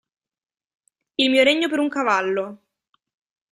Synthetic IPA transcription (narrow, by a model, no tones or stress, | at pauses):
ilmiːoɾeɲːopeɾuŋkavalːo